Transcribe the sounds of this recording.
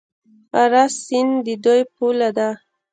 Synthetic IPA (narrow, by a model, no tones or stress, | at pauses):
aɾasind̪əd̪ojpulad̪a